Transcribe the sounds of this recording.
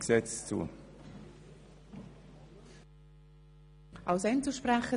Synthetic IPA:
ksɛt͡st͡sṵː | ʔaʊsɛnt͡suʃpraχə

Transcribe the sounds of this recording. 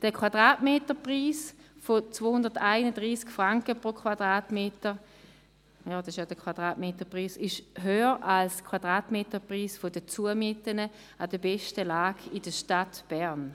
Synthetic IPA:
d̥əkʰwad̥ʁaːtmeːtəpʁiːsfot͡svoːhʊndɐtaɪnədʁiːskfʁaŋkəpʁokʰwad̥ʁaːtmeːtə | jɔːdɔsɪʃjɔdəkʰwad̥ʁaːtmeːtəpʁiːsɪʃɦøːəʁʔalskʰw̥ad̥ʁaːtmeːtəpʁiːsfodət͡suəmetənə | adəbɛʃtəlaːɡɪdəʃtatb̥ɛʁn

